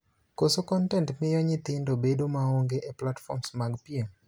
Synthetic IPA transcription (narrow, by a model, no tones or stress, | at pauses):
kosokɔntɛntmɪjɔɲɪt̪ɪndobedomaoŋɡeʔeplatfɔ̰msmaɡpiem